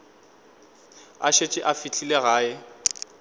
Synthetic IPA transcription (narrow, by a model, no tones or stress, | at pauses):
a̰ʃet͡ʃʼɪʔafit͡ɬʰileɣaːɪ